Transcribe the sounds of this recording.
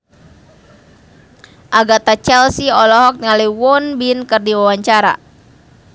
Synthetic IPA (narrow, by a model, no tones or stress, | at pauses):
ʔaɡat̪at͡ʃɛlsiɔlɔɦɔk̚nŋaliwɔnbinkɨrdiwawaɲt͡ʃaɾa̰